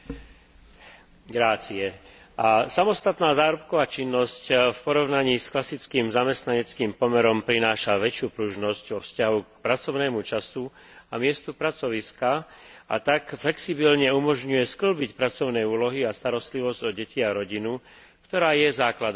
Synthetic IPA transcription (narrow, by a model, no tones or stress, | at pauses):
ɡɾaːt͡siɛ | ʔasamɔst̪at̪naːzaːɾɔp̚kɔʋaːt͡ʃinːɔscfpɔɾɔʊnaɲiːsklasit͡skiːmzamɛst̪naɲɛt͡skiːmpɔmɛɾɔmpɾinaːʃaʋɛt͡ʃɪuːpɾuʒnɔscɔfscaɦukpɾat͡sɔʊnɛːmut͡ʃasu | amɪɛst̪upɾat͡sɔʋiskaʔa̰t̪akflɛksibilɲɛumɔʒɲujɛskl̩bicpɾat͡sɔʊnɛjuːlɔɦiast̪aɾɔst̪liʋɔzɟɔɟɛciaɾɔɟinu | kt̪ɔɾaːjɛzaːklad̪